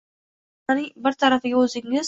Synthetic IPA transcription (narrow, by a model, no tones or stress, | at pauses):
anɪŋbɪɾt̪ʰaɾafɪɡʲaɵzɪŋɪz